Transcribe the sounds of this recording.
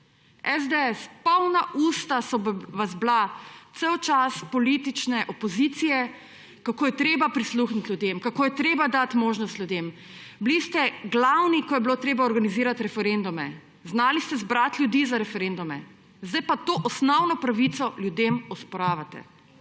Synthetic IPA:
ɛzd̪eɛspɔwnaʔuːst̪asɔʋazblat̪sewt͡ʃaspɔlit̪it͡ʃnɛʔɔpɔzit̪sijɛ | kakoːjɛt̪ɾeːbapɾisluːxnit̪lʲjud̪emkakoːjɛt̪ɾeːbad̪at̪moːʒnɔst̪ljud̪em | blist̪ɛɡlawnikɔjɛbilot̪ɾeːbaɔɾɡaniziːɾat̪ɾɛfɛɾend̪umɛ | znaːlist̪ɛzbɾat̪lʲjud̪iːzaɾɛfɛɾend̪umɛ | zd̪ajpat̪oːʔɔsnɔwnɔpɾaʋit̪sɔljud̪emɔspɔɾaːʋat̪ɛ̰

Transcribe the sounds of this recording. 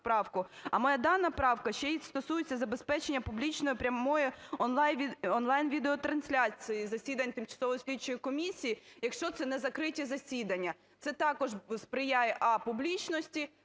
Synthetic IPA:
pɾɑwkʊɐmɔjad̪ɑnɐpɾɑwkɐʃt͡ʃɛjist̪ɔsujet͡sʲːɐzɐbe̞spɛt͡ʃenʲːɐpublʲit͡ʃnɔjʊpɾʲɐmɔjʊɔnlˠɑjnʲiɔnlˠɑjnʋʲid̪eɔt̪ɾɐnsʲlʲat͡sʲijizɐsʲid̪ɐnʲt̪ɪmt͡ʃɐ̥sɔʋɔjsʲlʲit͡ʃːɔjikɔmʲisʲijijɐkʃt͡ʃɔt̪sɛnɛzɐkɾɪtʲizɐsʲid̪ɐnʲːɐ | t̪sɛt̪ɑkɔʒspɾɪjajɛʔɐpublʲit͡ʃnɔsʲtʲi

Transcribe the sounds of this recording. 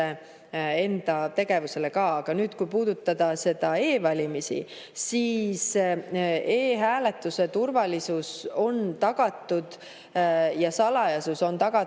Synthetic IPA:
e | e̞nd̪̥ɑt̪e̞ɡ̥e̞vuse̞le̞kɑːɑɡ̥ɑnyːd̪̥kujpuːd̪̥ut̪ˑːɑd̪̥ɑse̞d̪̥ɑe̞ːvɑlʲimisḭ | siːs | eːɦæːle̞t̪ːˑuse̞t̪urvɑlisuso̞nt̪ɑɡ̥ɑt̪ːˑud̪̥ | jɑsɑlɑjɑsuso̞nt̪ɑɡ̥ɑ

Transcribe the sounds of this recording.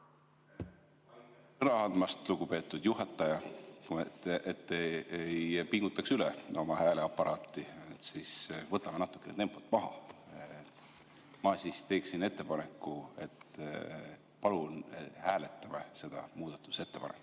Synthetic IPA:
sɤnɑɑnd̪mɑst̪luɡ̥upe̞ːt̪ːˑud̪̥juɦɑt̪ːˑɑjɑuet̪ːeejpiŋɡ̥ut̪ːˑɑksylɛo̞mɑhæːleɑpːˑɑɾʔɑːt̪ːˑiet̪sisvɤt̪ːˑɑme̞nɑt̪ːˑu̥kːˑenet̪e̞mpˑot̪ːˑmɑɦɑ̰ | mɑsist̪e̞ːksine̞t̪ːe̞pɑne̞kːuet̪ | pɑlunhæːle̞t̪ːˑɑmese̞d̪̥ɑ̰muːd̪̥ɑt̪ːˑu̥se̞t̪ːe̞pɑ̰nekː

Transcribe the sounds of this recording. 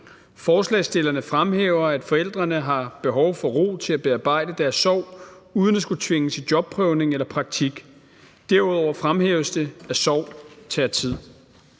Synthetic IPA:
fɒːslɛ̰ːsd̥e̝lɐnəfʁamɦeːʊɐæd̥fɒ̽el̰d̥ʁɐnəɦɑ̈b̥e̝ɦɒʊfɒ̽ʁo̝̰ːt͡sʰe̝æb̥e̝ɑ̈ːb̥ɑ̈ɪ̰d̥əd̥æɐsːɒʊ̰ | uːðˠən̥esɡ̥ut͡sʰʋe̝ŋəsid̥jɒ̽b̥̚pʰʁœʊne̝ŋelɐpʰʁɑ̈ɡ̥̚t͡sʰiɡ̥ | d̥æɐuðˠɒʊ̰ɐfʁamhḛːʊsd̥əæɐsɒʊ̰t͡sʰɛɐt͡sʰið̰ˠ

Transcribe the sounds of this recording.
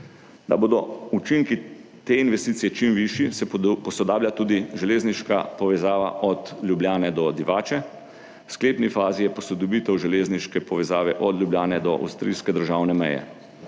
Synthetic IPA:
d̪a̰boːd̪ɔut͡ʃiŋki | t̪eːinʋɛst̪iːsijɛt͡ʃimʋiʃisɛpɔsɔd̪aːblʲjat̪uːd̪iʒɛleːzniʃkapɔʋɛzaːʋa̰ʔɔt̪lʲjubljaːnɛd̪ɔd̪iʋaːt͡ʃɛ | wskleːpnifaːzijɛpɔsɔd̪ɔbiːt̪ɛwʒɛleːzniʃkɛpɔʋɛzaːʋɛʔɔd̪ljubljaːnɛd̪ɔʔa̰wst̪ɾḭːskɛd̪əɾʒaːwnɛmɛ̰jɛ̰

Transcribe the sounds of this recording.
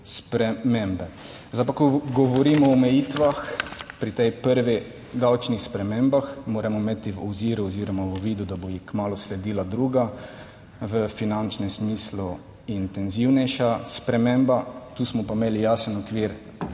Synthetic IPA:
spɾɛmembɛ | zapakɔɡɔʋɔɾiːmɔːmɛjiːt̪ʋaxpɾit̪ɛjpəɾʋi | d̪awt͡ʃnixspɾɛmembaxmoːɾɛmɔmet̪iʋɔ̰ziːɾuɔziːɾɔmaʋɔʋiːd̪ud̪abɔjixkmaːlʊslɛd̪iːlad̪ɾuːɡa | ʋəfinant͡ʃnɛmsmiːslu | int̪ɛnziwnɛjʃaspɾɛmembat̪uːsmɔpameːlijaːsənɔkʋiːɾ

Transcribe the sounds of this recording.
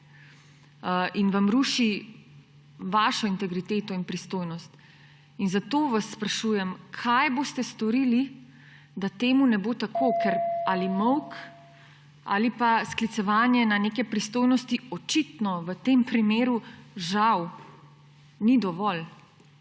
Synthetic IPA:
inʋamɾuːʃi | ʋaːʃɔint̪ɛɡɾit̪eːt̪ɔinpɾist̪oːjnɔst̪ | inzat̪oːʋasːpɾaʃuːjɛmkʰajboːst̪ɛst̪ɔɾiːli | d̪at̪eːmunɛboːt̪akʰokɛɾaːlimɔwk | a̰ːlipasklit̪sɛʋaːnjɛnaneːkɛpɾist̪oːjnɔst̪iɔt͡ʃit̪nɔʋət̪empɾimeːɾuʒaw | nid̪ɔʋɔl

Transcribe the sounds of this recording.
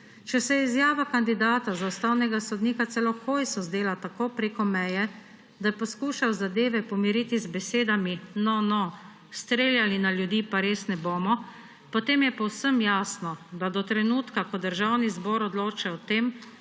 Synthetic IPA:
t͡ʃɛsɛjɛizjaːʋakand̪id̪aːt̪azaust̪awnɛɡasɔd̪niːkat̪sɛlɔkoːjsɔzd̪eːlat̪akoːpɾeːkɔmɛjɛ | d̪ajɛpɔskuːʃawzad̪eːʋɛpɔmiɾiːt̪izbɛseːd̪aminɔnɔ | st̪ɾeːljalinaljud̪iːpaɾeːsnɛboːmɔ | pɔt̪eːmjɛpɔwsəmjaːsnɔd̪ad̪ɔt̪ɾɛnuːt̪kakɔd̪əɾʒawnizbɔːɾɔd̪loːt͡ʃaɔt̪eːm

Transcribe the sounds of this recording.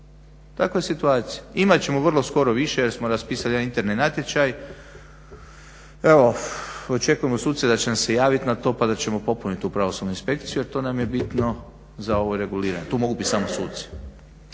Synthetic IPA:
t̪akojesit̪uaːt̪sijaimat̪t͡ɕe̞mo̞ʋərlˠo̞sko̞ɾo̞ʋiʃeje̞ɾsmoɾaspiːsaljenint̪e̞ɾnenat̪je̞t͡ʃaj | e̞ʋo̞ot͡ʃe̞kuje̞mo̞suːd̪sed̪at͡ɕenamse̞jaːʋit̪nat̪o̞pad̪at͡ɕe̞mo̞po̞punit̪upɾaʋo̞sud̪nuinspe̞kt̪sijujeɾt̪o̞ːnamje̞bit̪no | zao̞ʋojɾe̞ɡuliːɾa̰ɲet̪uːmo̞ɡubit̪samosṵːt̪se̥

